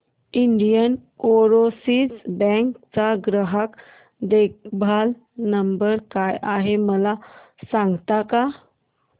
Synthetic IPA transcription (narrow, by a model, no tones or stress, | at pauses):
iɳɖijənoɾosid͡zbɛ̃ŋkt͡saɡɾəɦak | d̪ek̚bʱal | nəmbəɾkajʔaɦeməla | sãŋɡt̪aka